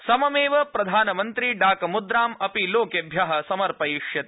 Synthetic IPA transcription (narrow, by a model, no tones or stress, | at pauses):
sɐmɐmeːʋɐpɾɐd̪ʱaːnɐmɐnt̪ɾiɖaːkɐmud̪ɾaːmɐpiloːkɐbʱjaːɦɐsɐmɐɾpɐjiʂjɐt̪e